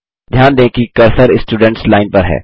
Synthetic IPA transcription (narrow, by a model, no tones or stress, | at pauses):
d̪ʱjaːnd̪ẽːkikɐɾsəɾɪsʈuːɖɛ̃ɳʈslaːɪnpɐɾɦɛ̰ː